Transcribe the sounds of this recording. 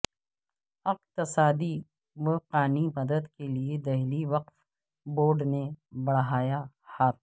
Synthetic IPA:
ɪqt̪ɪsaːd̪i | ʋəqaːnimɐd̪əd̪kelied̪ɐɦliʋɐqf | boːɾɖnebɐɽɦaːja | haːt̪

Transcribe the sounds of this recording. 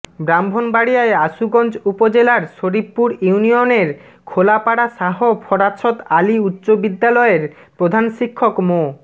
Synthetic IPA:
bɾambʱonbaɽijaeaʃuɡɔnt͡ɕupod͡ʑelaɾʃoɾipːuɾuunijoneɾ | kʰolapaɽaʃaɦopʰɔɾat̪ʃʰot̪aliutːɕobid̪ːalɔeɾ | pɾod̪ʱanʃikʰːokmo

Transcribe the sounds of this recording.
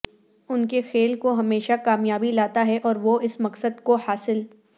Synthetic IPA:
ʊnkexeːlkoɦɐmeːʃakaːmjaːbilaːt̪aɦɛʔɔːɾʋoɪsmɐqsəd̪kohaːsɪl

